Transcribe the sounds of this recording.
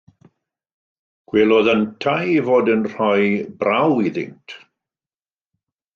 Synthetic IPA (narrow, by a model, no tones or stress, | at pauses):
ɡ̥wɛlˠɔðəntʰajivoːdənr̥ɔjbrawiðɪ̰ntʰ